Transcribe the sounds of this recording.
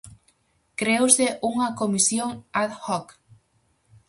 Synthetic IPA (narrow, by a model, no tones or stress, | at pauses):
kɾeowseʔuŋɐkomisjoŋat̪xɔk